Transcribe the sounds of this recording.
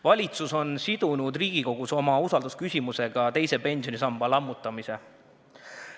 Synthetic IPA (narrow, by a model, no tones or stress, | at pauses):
vɑlʲit̪suso̞nsid̪̥unud̪riːɡ̥iko̞ɡ̥uso̞mɑusɑld̪uskysʲimuse̞ɡ̥ɑt̪e̞jse̞pe̞nʲsijo̞nʲisɑmb̥ɑlɑmːut̪ˑːɑmise̞